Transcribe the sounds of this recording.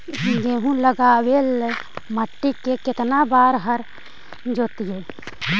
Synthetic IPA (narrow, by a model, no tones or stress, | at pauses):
ɡeɦũləɡaːbelːeməʈːikekɪt̪nabaːɾɦəɾ | d͡ʒoːt̪ije